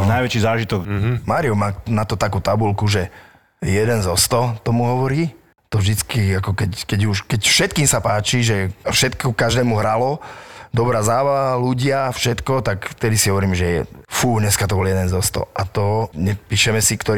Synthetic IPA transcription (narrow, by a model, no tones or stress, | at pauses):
najʋɛt͡ʃiːzaːʒit̪ɔkmaːɾiɔmaːnat̪ɔt̪akuːt̪abulkuʒɛ | jɛd̪ɛnzɔst̪ɔt̪ɔmuɦɔʋɔɾiː | t̪ɔvʒd̪it͡skiakɔkɛckɛɟuʃkɛcfʃɛt̪̚kiːmsapaːt͡ʃiʒɛfʃɛt̪kɔkaʒd̪ɛːmuɦɾalɔd̪ɔbɾaːzaːʋaluɟɪafʃɛt̪kɔt̪akft̪ɛd̪isiɦɔʋɔɾiːmʒɛjɛ̰fuːɲɛskat̪ɔbɔljɛd̪ɛnzɔst̪ɔ̰ʔat̪ɔɲɛpiːʃɛmɛsikt̪ɔɾ